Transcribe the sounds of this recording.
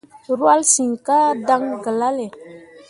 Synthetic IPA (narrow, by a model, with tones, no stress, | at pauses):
ɾwa˦lsi˨ŋka˦da˦ŋɡə˨la˦le˨